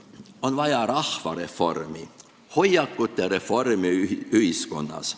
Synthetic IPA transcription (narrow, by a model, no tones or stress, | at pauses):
o̞nvɑjɑɾɑhvɑ̰ɾe̞fo̞̰rmi | ho̞jːɑkːut̪ːˑeɾe̞fo̞rmiyhisko̰nːɑ̰s